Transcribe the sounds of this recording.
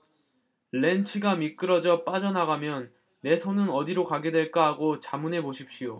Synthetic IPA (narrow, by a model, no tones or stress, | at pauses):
ɭe̞nt͡ɕʰiɡamik͈ɯɾʌd͡ʑʌp͈ad͡ʑʌnaɡamjʌnː | e̞sʰonɯnʌdiɾokaɡe̞dwe̞ɭk͈aɦaɡot͡ɕamune̞boɕʰip̚ɕ͈ijo